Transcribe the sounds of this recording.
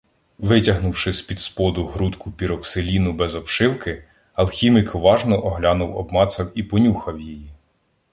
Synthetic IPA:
ʋɪtʲɐɦnʊwʃɪspʲid̪spɔd̪ʊɦɾut̪kʊpʲiɾɔkselʲinʊbɛzɔpʃɪwkɪ | ɐlˠxʲimɪkʰɔʋɑʒnɔʔɔɦlʲɑnʊwɔbmɑt̪sɐwipɔnʲuxɐwjiji

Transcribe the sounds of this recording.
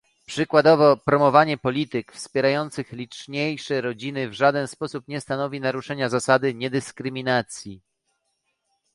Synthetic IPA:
pʂɘkwad̪ɔvɔpɾɔmɔvaɲɛpɔlʲit̪ɘkfspʲjɛɾajɔnt̪sɘxlʲit͡ʂɲejʂɛɾɔd͡ʑinɘvʐad̪ɛnspɔsupɲɛst̪anɔvʲinaɾuʂɛɲazasad̪ɘɲɛd̪ɘskɾɘmʲinat̪sʲji

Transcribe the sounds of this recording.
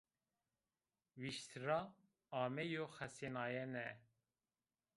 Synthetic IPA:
wiʃt̪ʰɾɑ | ɑːmɛjoxɛsenɑːjɛnɛ

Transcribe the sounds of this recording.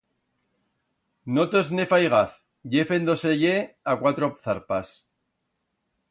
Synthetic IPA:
not̪oznefajɣ̞aθ | ʝefend̪o̞seʝeakwat̪ɾoθaɾpas

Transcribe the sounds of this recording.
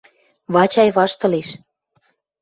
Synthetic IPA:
βɑt͡ɕɑjβɑʃt̪ɤ̆leʃ

